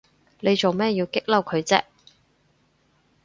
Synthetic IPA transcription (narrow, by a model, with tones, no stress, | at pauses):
le˨˧jt͡so˨wmɛː˥˧jiː˧wkɪ˥k̚lɐ˥wkʰɵ˨˧ɥt͡sɛ̰ː˥